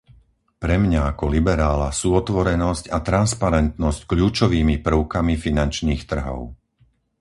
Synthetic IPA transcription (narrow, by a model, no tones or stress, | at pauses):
pɾɛmɲaakɔlibɛɾaːla̰suːɔt̪ʋɔɾɛnɔscat̪ɾanspaɾɛnt̪nɔsckʎuːt͡ʃɔʋiːmipr̩ʊkamifinant͡ʃniːxt̪r̩ɦɔ̰ʊ